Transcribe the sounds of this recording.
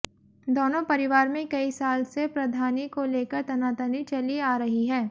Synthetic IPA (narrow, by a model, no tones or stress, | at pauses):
d̪oːnõpɐɾɪʋaːɾmẽkɐisaːlsepɾɐd̪ʱaːnikoleːkəɾt̪ɐnaːt̪ənit͡ʃɐliaːɾɐɦiɦɛː